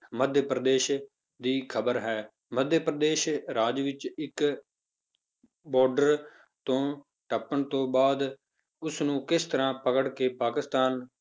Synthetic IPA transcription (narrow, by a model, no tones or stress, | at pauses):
məd̪ʱjəpɾəd̪eːʃ | d̪iːkʰəbəɾɦɛː | məd̪ʱjəpɾəd̪eːʃɾaːd͡ʒʋɪt͡ʃɪk | bɔːɾɖəɾ | t̪õː | ʈəpːəɳt̪õːbaːd̪ | ʊsnũːkɪst̪əɾãːpəkəɽkeːpaːkɪst̪aːn